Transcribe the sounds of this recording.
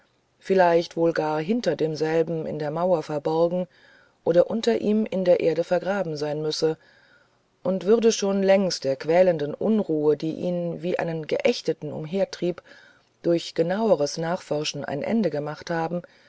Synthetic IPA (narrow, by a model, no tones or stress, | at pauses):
fɪlaɪçtv̥oːlɡaːɐɦɪntɐdeːmzɛlbm̩ɪ̰ndeːɐmaʊɐfɛɐbɔɐɡŋ̩ | ʔoːɾɐʔʊntɐʔiːmɪndeːɐʔeːɐɾəfɛɐɡʁaːbm̩zaɪnmʏsə | ʔʊntv̥ʏʁdəʃoːnlɛŋstd̥eːɐkv̥ɛːləndənʔʊ̰nʁuːədiːʔḭːnviːʔa̰ɪnənɡə̰ʔɛçtətn̩ʊ̰mɦeːɐtʁ̥iːp | d̥ʊɐçɡ̥ənaʊəʁ̞əsnaːχfɔɐʃn̩ʔa̰ɪnʔɛ̰ndəɡəmaχthaːbm̩